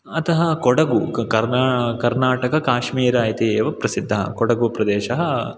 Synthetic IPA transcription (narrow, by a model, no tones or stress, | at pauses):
ɐt̪ɐɦɐkɔɽɐɡukɐɾnaːkɐɾnaːʈɐkɐkaːʂmiːɾaːjt̪ieːʋɐpɾɐsid̪ʱːɐɦɐ̰kɔɽɐɡupɾɐd̪ɛːʃɐɦɐ